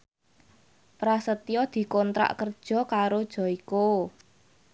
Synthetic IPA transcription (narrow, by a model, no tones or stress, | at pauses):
pɾasət̪ijɔd̪̥i̤kɔnt̪ɾa̰ʔkərd̥ʒ̥ɔ̤kaɾod̥ʒ̥ɔ̤iko